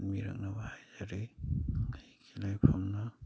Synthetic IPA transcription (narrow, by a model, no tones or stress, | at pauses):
nmiɾa̰k̚nabahajzaɾeŋijkʰilajpʰamna